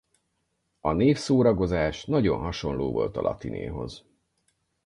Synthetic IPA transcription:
ɒneːfsoːɾɒɡo̞zaːʃnɒɟo̞nɦɒʃo̞nloːvo̞̰lt̪ɒlʔɒ̰t̪inḛːɦo̞̰z

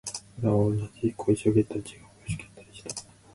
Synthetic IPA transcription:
d̪aonːad͡ʑikʰoiɕoɡet̪ːat͡ɕiɡaboɕi̥kʲiat̪ːaɾʲiɕi̥t̪ḁ

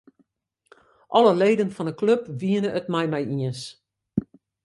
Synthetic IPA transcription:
ʔɔləleːdənfɔnəkløpʋiənəʔətmɛjmɛjiəns

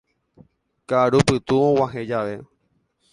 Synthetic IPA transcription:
kaɾupɨt̪uõw̃ãɦẽd͡ʒaʋe̞

